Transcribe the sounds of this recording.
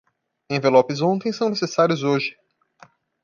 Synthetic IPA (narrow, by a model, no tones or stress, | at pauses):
ẽvelɔpɪzõt̪ẽj̃sɐ̃w̃nesesaɾjʊzoʒɪ